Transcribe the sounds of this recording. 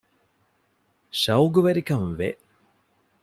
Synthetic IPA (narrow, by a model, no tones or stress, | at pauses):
ɕɐwɡuʋɐɾikɐmʋe